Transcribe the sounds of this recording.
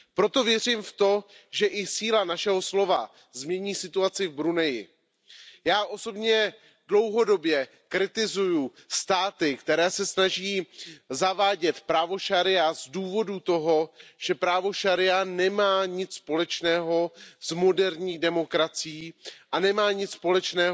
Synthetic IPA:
pɾo̞t̪o̞vjɛriːmft̪o̞ʒɛʔɪsiːlanaʃɛɦo̞slo̞va | zmɲɛɲiːsɪt̪uat͡sɪvbɾunɛjɪ̰ | jaːʔo̞so̞bɲɛ | dlo̞wɦo̞do̞bjɛ | kɾɪt̪ɪzujust̪aːt̪ɪkt̪ɛɾɛːsɛsnaʒiːzavaːɟɛt̪pɾaːvo̞ʃaɾɪazduːvo̞dut̪o̞ɦo̞ʒ̥ɛpɾaːvo̞ʃaɾɪanɛmaːɲɪt͡sspo̞lɛt͡ʃnɛːɦo̞zmo̞dɛɾɲiːdɛmo̞kɾat͡sɪjiːʔanɛmaːɲɪt͡sspo̞lɛt͡ʃnɛː

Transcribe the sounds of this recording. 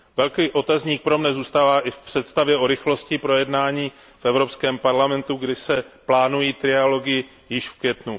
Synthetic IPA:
vɛlkiːʔo̞t̪azɲiːk̚pɾo̞mnɛzuːst̪aːvaːʔɪfpr̝̥ɛt̪st̪avjɛʔo̞ɾɪxlo̞scɪpɾo̞jɛdnaːɲiː | fɛvɾo̞pskɛːmpaɾlamɛnt̪uɡdɪsɛplaːnujiːt̪ɾɪalo̞ɡɪ | jɪʃfkvjɛt̪nu

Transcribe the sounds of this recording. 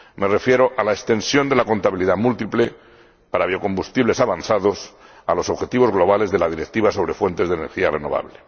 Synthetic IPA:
me̞re̞fje̞ɾo̞ʔalaekst̪e̞nsjo̞nd̪e̞lako̞nt̪aβiliðamult̪iple | paɾaβ̞io̞ko̞mbust̪iβle̞saβanθaðo̞s | alo̞soβxe̞t̪iβo̞zɣlo̞β̞ale̞zðe̞lað̞iɾe̞k̚t̪iβaso̞β̞ɾe̞fwe̞nt̪e̞zðene̞̰ɾxiare̞no̞β̞a̰βle

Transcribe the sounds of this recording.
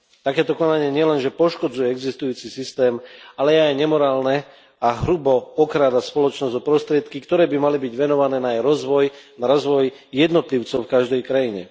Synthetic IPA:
t̪akɛːt̪ɔkɔnaɲɪɛɲɪɛlɛnʒɛpɔʃkɔd͡zujɛɛɡzist̪ujuːt͡sisist̪ɛːmalɛajɲɛmɔɾaːlnɛ | aɦɾubɔɔxɾaːd̪aspɔlɔt͡ʃnɔzd̪ɔpɾɔst̪ɾɪɛt̪kikt̪ɔɾɛːbimalibiɟʋɛnɔʋanɛːnajɾɔzʋɔjnaɾɔzʋɔj | jɛd̪nɔt̪liʊt͡sɔʊfkaʒd̪ɛjkɾajiɲɛ̰

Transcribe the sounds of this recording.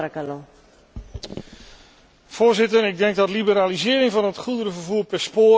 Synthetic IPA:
kalo | v̥ʊːzɪtəɹɪɡ̚dɛŋɡ̚dɑtlibəɾaːlizɪːɾɪŋvɑnɦətχudəɾəvəɹvuːɹpɛɹspoː

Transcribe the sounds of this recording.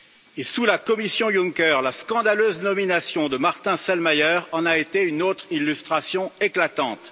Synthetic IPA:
esulakɔmisjɔ̃juŋkœʁlaskɑ̃d̪aløznɔminasjɔ̃d̪əmaʁt̪ɛ̃sɛlmajœʁɑ̃naet̪eynot̪χilːyst̪χasjɔ̃eklat̪ɑ̃t̪

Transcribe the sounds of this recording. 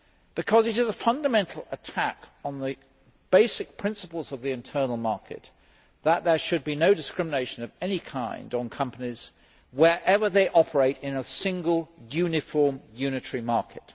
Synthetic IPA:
b̥ɨkʰʌzɨɾɨzəfʌ̃ndəmɛ̃ntʰˡl̩ˠətʰækn̩ðɨ | b̥eɪsɨk̚pʰɹ̥ɪ̃nsəpəlˠzʌvðiɨ̃ntʰɜ˞nl̩ˠmɑɹkʰɨ̰t̪̚ | ðəʔ̪̚ðə˞ʃɨd̚binoʊdɨskɹ̥ɪ̃məneɪʃɨ̃nʌvɛnikʰãɪ̃ndn̩kʰʌ̃mpəniz̥ | wə˞ʔɛvə˞ðeɪʔɑpʰə˞eɪɾɪ̃nəsɪ̃ŋɡəlˠjʉnɨfɔɹmjʉnɨtʰə˞imɑɹkʰɨt̚

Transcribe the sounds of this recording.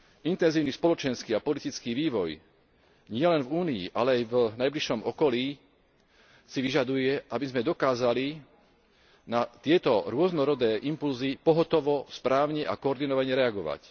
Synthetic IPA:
int̪ɛnziːʊnispɔlɔt͡ʃɛnskiːapɔlit̪it͡skiːʋiːʋɔj | ɲɪɛlɛnvuːniḭʔalɛajvnajbliʃɔmɔkɔliː | siʋiʒad̪ujɛʔabizmɛd̪ɔkaːzali | nat̪ɪɛt̪ɔɾʊɔznɔɾɔd̪ɛːʔimpulzipɔɦɔt̪ɔʋɔspɾaːʊɲɛʔa̰kɔɔɾd̪inɔʋaɲɛɾɛaɡɔʋa̰c

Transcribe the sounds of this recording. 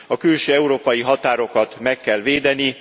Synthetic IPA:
ɒkylʃøːɛuɾoːpɒjiɦɒt̪aːɾo̞kɒt̪mɛkːɛlveːd̪ɛni

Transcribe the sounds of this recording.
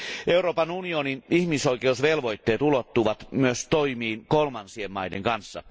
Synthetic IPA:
ʔeuroːpɑnunioninihmisoikeusʋelʋoit̪ːeːt̪ulot̪ːuʋɑt̪myøst̪oimiːnkolmɑnsiemmɑideŋkɑnsːɑ̰

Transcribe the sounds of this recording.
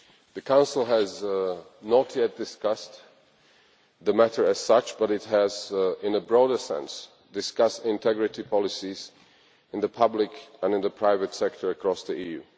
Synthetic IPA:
ðɨkʰãʊ̃nsl̩ˠɨz | nətʰjɛt̚d̥ɨskʌst | ðɨmæɾə˞ɨz̥sʌt͡ʃb̥ʌɾɨt̚ɦɨzɪ̃nəbɹɔɾə˞sɛ̰̃ns | d̥ɨskʌstɪ̃ntʰɛɡɹɨɾipʰɑlˠɨsiz | ɨ̃nðəpʰʌblɪkə̃nɨ̃nðəpʰɹ̥aɪvɨtsɛk̚tʰə˞ɨkʰɹ̥ɔsðiijʉ̰

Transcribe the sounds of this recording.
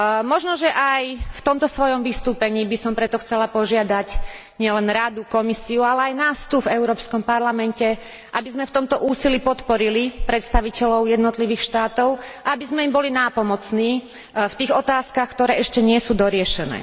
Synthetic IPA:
mɔʒnɔʒɛʔajft̪ɔmt̪ɔsʋɔjɔmʋist̪uːpɛɲiːbisɔmpɾɛt̪ɔxt͡sɛlapɔʒɪad̪ac | ɲɪɛlɛnɾad̪ukɔmisiualɛajnaːst̪uvɛʊɾɔːpskɔmpaɾlamɛncɛ | ʔabizmɛft̪ɔmt̪ɔʔuːsilipɔt̪pɔɾilipɾɛt̪st̪aʋicɛlɔʊjɛd̪nɔt̪liʋiːxʃt̪aːt̪ɔʊaabizmɛimbɔlinaːpɔmɔt͡sniː | ft̪iːɣɔt̪aːskaxkt̪ɔɾɛːɛʃcɛɲɪɛsuːd̪ɔɾɪɛʃɛnɛ̰ː

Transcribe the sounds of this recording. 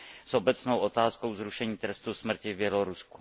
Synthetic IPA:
sobɛt͡snowʔot̪aːsko̞wzɾuʃɛɲiːt̪ɾɛst̪usmr̩cɪvbjɛloɾusku̥

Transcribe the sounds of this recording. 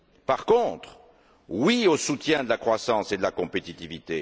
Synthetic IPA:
paʁkɔ̃t̪χ | wiosut̪jɛ̃d̪əlakχwasɑ̃sed̪əlakɔ̃pet̪it̪ivit̪e

